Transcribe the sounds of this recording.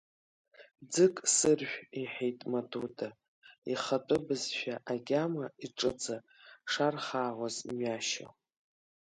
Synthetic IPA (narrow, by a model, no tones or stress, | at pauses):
d͡zɨkʼsɨrʒʷᶣiħejtʼmaduda | iχat͡pʼɨbɨzʃᶣaʔaɡʲamaiʈ͡ʂʼɨd͡za | ʂarχaːʁʷazmɥaʃa̰